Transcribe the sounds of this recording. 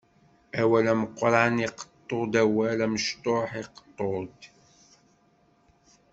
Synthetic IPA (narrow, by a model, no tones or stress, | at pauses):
æwælæmqːɾˤniqə̥t̪ˤːod̪æwælæməʃt̪oħiqt̪ˤːod̪